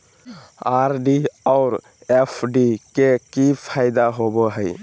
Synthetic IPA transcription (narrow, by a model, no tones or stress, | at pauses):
aɾɖiɔʊɾ | epʰɖikekipʰaɪd̪aɦoboɦəɪ